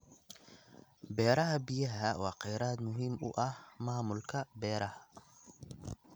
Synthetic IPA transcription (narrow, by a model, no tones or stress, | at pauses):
bɛːɾɐɦɐbijɐɦɐwɑːqɛjɾaːd̪mʊɦiːmʊ̰ʔɐhmaːmʊlkʰɐbɛːɾɐhɐ